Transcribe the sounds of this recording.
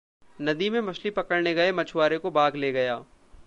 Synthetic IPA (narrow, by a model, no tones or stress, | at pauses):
nɐd̪imẽmɐʃlipɐkəɽneɡɐemɐt͡ʃʰʊwaːɾekobaːɡleːɡɐjaː